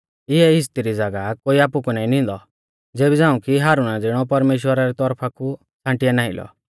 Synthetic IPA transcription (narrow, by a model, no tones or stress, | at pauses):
ɪɛɪst̪iɾid͡zɐɡakoːiaːpukunaːĩnĩnd̪ɔ | d͡zeːbid͡zãːũkiɦaːɾunad͡zɪɽ̃ɔpɐɾmeːʃ̬wəɾaɾit̪ɔɾpʰaku | t͡sʰãːʈɪjanaːɪlʔɔ̰